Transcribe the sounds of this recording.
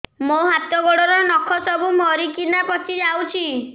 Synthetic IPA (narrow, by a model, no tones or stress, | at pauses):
moɦat̪ɔɡɔɽɔɾɔnɔkʰɔsɔbumɔɾikinapɔt̪id͡ʒawt͡ʃʰi